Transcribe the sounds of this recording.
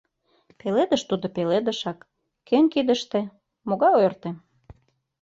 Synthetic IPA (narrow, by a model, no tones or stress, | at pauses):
peled̪əʃt̪ud̪opeled̪ə̆ʃɑkː | kønʲkid̪ə̆ʃt̪ĕ | moɣɑjørt̪em